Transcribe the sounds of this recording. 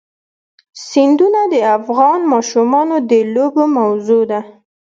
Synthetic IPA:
sind̪unad̪əafɣɑnmɑʃumɑnod̪əlobomawzod̪a

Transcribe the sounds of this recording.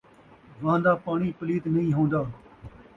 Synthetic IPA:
ʋãːnd̪aːpaːɳĩːpəliːt̪nəɦĩːɦõːnd̪aː

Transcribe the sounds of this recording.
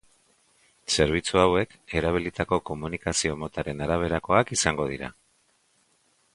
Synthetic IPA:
se̞ɾβ̞it͡suawe̞ke̞ɾaβ̞ilit̪ako̞ko̞munikasio̞mo̞t̪aɾe̞naɾaβ̞e̞ɾako̞akisaŋɡo̞ðḭɾa̰

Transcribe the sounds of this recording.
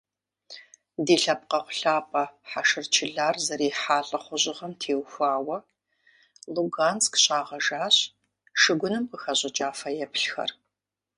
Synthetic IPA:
deːɬɐp̚qɐχʷʊɬaːpʼɐħaʃɨrt͡ʃʰɪɮaːrzɐɾeːħaːɬʼɐχʷʊʑʼɪʁɐmtʰeːwxʷaːwɐ | luɡaːnskɕʼaːʁɐʒaːɕ | ʂɨɡʷʊnɨmqəxɐɕʼɪt͡ʃʼaːfɐjɛpʰɬxɐ̰r

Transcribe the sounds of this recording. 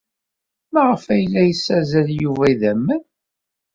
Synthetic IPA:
mæʁəfæjlːæjəsːæzæljuvæiðæmːən

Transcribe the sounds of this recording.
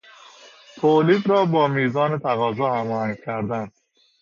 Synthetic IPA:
pʰoliːd̪ɾɒːbɒːmiːzɒːnet̪ʰæɣɒːzɒːhæmɒːhæŋɡkʰæɾd̪ænd̪̥

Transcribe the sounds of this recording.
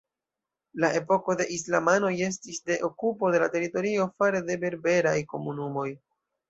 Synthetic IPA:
lae̞po̞ko̞de̞ʔis̬lamano̞je̞s̬tisde̞ʔokupo̞de̞late̞ɾito̞ɾio̞faɾe̞de̞be̞ɾbe̞ɾajko̞munumo̞j

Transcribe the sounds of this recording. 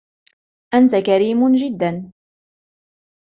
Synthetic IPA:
ʔant̪akaɾiːmʒɪd̪ːan

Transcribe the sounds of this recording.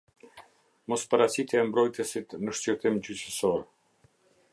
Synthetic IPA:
mɔspaɾasit̪ɛɛmbɾɔjt̪əsit̪nəʃt͡ɕəɾt̪imd͡ʑyt͡ɕəsɔɾ

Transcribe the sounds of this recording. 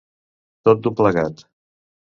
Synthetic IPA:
t̪ot̪̚d̪upləɣat̪

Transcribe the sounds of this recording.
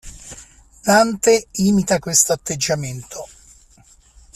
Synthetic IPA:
nant̪eiːmit̪akwest̪oat̪ːed͡ʒːament̪ʰo

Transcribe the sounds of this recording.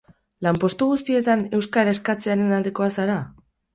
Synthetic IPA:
lampo̞st̪uɣust̪ie̞t̪ane̞wskaɾaeskat͡se̞aɾenald̪e̞ko̞asaɾa

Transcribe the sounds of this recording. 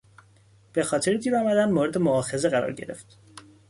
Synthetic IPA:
b̥e̞xɒːt̪ʰe̞ɾed̪ʰiːɾɒːmæd̪ænd̪moɾe̞d̪emoɒːxe̞ze̞ɣæɾɒ̰ːɾɟe̞̰ɾe̞̰ft̪

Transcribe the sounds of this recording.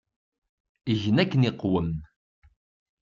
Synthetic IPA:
əʝənækːəniqːwəm

